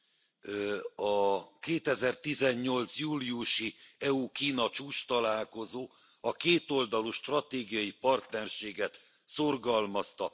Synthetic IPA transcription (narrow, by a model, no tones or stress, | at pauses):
ɒkeːt̪ɛzɛrt̪izɛɲːo̞lt̪sjuːliuʃiɛukiːnɒt͡ʃuːʃt̪ɒlaːlko̞zoː | ɒkeːt̪o̞ld̪ɒluʃt̪rɒt̪eːɡijɒjipɒrt̪nɛrʃeːɡɛt̪ | so̞rɡɒlmɒst̪ɒ